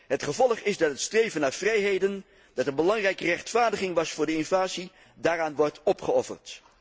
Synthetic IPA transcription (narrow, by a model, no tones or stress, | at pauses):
ɦətχəvɔlˠəχɪzdɑtɦətstrejvənaːvrɛjɦejdən | d̥ɑtənbəlɑŋrɛjkərɛχtfaːɹdəχɪŋʋɑsfʊːɹdəɪnvaːzi | daːraːnʋɔɹtʰɔpχəɔfə̰rt